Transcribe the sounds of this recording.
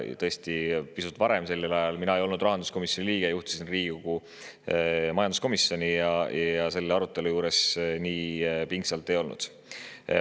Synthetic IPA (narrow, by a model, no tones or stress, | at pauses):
t̪ɤ̞est̪ipisut̪ːˑvɑɾe̞mse̞lːelɑjɑlminɑejo̞lnud̪rɑɦɑnd̪usko̞misjonʲiliːɡ̥ejuht̪i̥sinriːɡ̥ikoɡ̥u | mɑjɑnd̪usko̞misːjo̞nʲijɑjjɑse̞lːeɑɾut̪ːˑe̞lujuːɾe̞sniːpiŋɡsɑlt̪ːˑe̞jo̞lnṵd̪̥